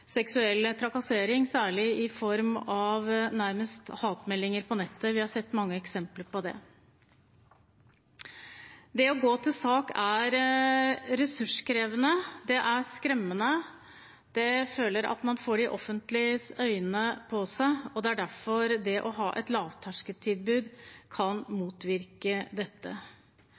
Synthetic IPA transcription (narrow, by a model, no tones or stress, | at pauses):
sɛksʉɛlːt̪ʰɾɑkɑseːɾɪŋsæːɭɪɪfɔɾmɑʋnæɾməst̪hɑːt̪mɛlːɪŋəɾpʰɔnɛt̪ʰːəʋɪhɑɾsɛt̪ːmɑŋːəɛksɛmpləɾpɔd̪ɛ̰ | d̪ɛɔɡoːt̪ʰɪlsɑːkæɾ | ɾɛsʉʂkʰɾeːʋənəd̪ɛʔæɾskɾɛmːənə | d̪̥ɛføːləɾʔɑ̰t̪mɑnfoːɖɪʔɔfːənt̪lɪsœʏənəpʰɔsæɪɔd̪ɛæɖæɾfɔɾd̪ɛʔɔɦɑːʔɛ̰t̪lɑːʋt̪ʰɑʂkət̪ʰːiːd̪̚bʉːd̪kʰɑnmuːt̪ʋɪɾkəd̪ɛt̪ːə